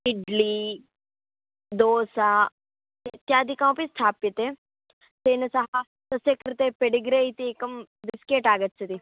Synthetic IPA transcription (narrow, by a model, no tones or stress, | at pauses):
ɪɖliː | d̪oːsaː | t̪et̪jaːd̪ikãũpist̪ʰaːpit̪e | t̪eːnɐsaɦa | t̪ɐsekɾt̪epeɖiɡɾeit̪eːkəmd̪ɪskeːʈaːɡət̪sʰɐt̪i